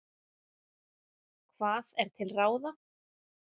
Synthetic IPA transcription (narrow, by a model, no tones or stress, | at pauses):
kʰvaːðɛɾ̥t̪ʰɪlraːwða